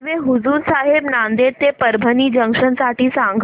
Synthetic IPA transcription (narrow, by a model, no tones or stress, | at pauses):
ʋeɦuzuːɾsaɦebnand̪et̪epəɾbʱəniːd͡ʑə̃ŋkʂənsaʈiːsaŋɡʱ